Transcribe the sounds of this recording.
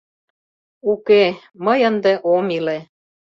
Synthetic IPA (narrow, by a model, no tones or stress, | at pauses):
uke | məjə̆nd̪eʔomile